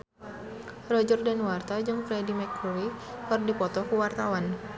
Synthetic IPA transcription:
rɔd͡ʒɔrdanwart̪ad͡ʒɨŋfɾɛdimɛkuɾikərdipɔt̪ɔkuwart̪awan

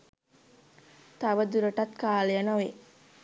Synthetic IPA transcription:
t̪ɐʋəd̪uɾəʈɐt̪kaːlejənɐʋe

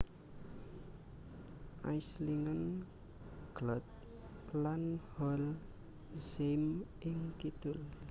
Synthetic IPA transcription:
a̰jsliŋan | ɡ̥lɔt̪̚ | lanhɔl | zem | iŋkit̪ul

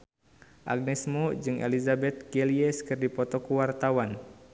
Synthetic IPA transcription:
ʔa̰ɡ̚nɛsmod͡ʒɨŋʔḛlizabɛt̪̚ɡɛliɛskɨrdipɔt̪ɔkuwart̪awan

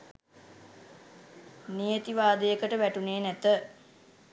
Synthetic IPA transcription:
nijet̪iʋaːd̪ejəkəʈəʋæʈuneːnæt̪ə

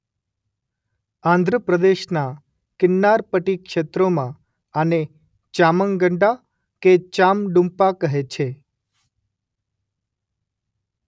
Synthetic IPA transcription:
ãnd̪ʱɾəpɾəd̪eʃna | kɪnːaɾpəʈikʃet̪ɾomã | əne | t͡ʃaməŋɡəɳɖa | ket͡ʃamɖũmpakəɦet͡ʃʰe

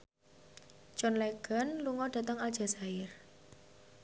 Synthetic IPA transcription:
t͡ʃɔnleɡ̥a̤nluŋɔd̥a̤t̪əŋald̥ʒ̥a̤sajɪr

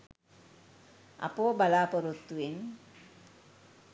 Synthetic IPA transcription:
a̰poːbalaːpoɾut̪ːuen

